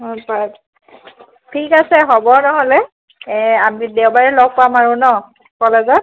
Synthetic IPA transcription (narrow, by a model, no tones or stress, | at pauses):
ɦɔpat | tʰikasɛɦɔbɔnɔɦɔlɛ | ɛamidewbaɹɛlɔɡ̚pamaɹũnɔ | kɔlɛzɔ